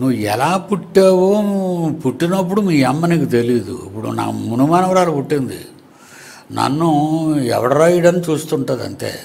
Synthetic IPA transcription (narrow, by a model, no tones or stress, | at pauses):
nuʋːuɛlaːpuʈːeːʋoːpuʈːinɐp̬ːuɽumiːɛmːɐnikit̪e̞liːd̪ṵḭpːuɽṵna̰ːmunumaːnɐʋɐɾaːlupuʈːind̪ḭ | nɐ̰nːuɛ̰ʋɐɾɐɾɐjiɽɐnːit͡ʃuːst̪uɳʈɐːd̪ɐ̰nt̪e̞̰ː